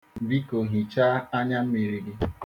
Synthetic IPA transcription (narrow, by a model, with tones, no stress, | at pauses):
bi˦ko˨ɦi˨t͡ʃa˦a˦ɲa˦m̩˦mi˨ɾi˨ɾi˦